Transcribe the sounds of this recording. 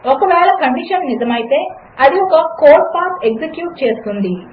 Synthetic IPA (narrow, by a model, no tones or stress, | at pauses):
ɔkɐʋɛːlɐkɐɳɖiʂɐnːizɐmɐjit̪e̞ː | ɐd̪iɔkɐkoːʈpaːseksekjuːʈ̚t͡ʃe̞ːst̪und̪i